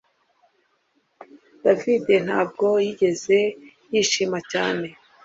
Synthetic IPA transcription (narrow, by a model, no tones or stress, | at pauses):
d̥aviden̥haːb̚ɡo̞jiɟe̞ze̞ | jiːʃimacaːne̞